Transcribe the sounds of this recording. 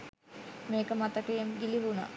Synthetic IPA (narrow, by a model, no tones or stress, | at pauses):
meːkəmat̪əkejemɡiliɦuna̰